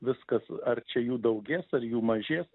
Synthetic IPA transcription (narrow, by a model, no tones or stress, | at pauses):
ʋʲɪskɐsɐrt͡ʃʲɛjuːd̪ɐʊɡʲeːsɐrjuːmɐʒʲeːs